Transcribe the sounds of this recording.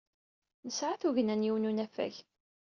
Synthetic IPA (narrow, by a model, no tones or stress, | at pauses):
nəsʕaθuʝnænjiwnunæfæ̰ç